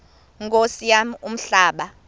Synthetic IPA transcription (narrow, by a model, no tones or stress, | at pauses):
ŋkosijamum̩ɬaːɓa